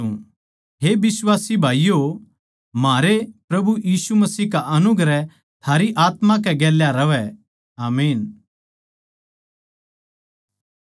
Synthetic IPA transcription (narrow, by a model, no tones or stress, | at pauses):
ũ | ɦebɪswaːsibʱaːijo | maːɾepɾɐbujiːsumɐsiːkaʔɐnʊɡɾɛ | t̪ʰaːɾiʔaːt̪mãk̬ɛɡɛːljaɾɐʋɛ | aːmiːn